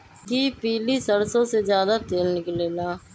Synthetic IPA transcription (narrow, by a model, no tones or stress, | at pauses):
kiːpiːliːsəɽsõːseːzjaːd̪aːt̪eːlnɪkleːlaː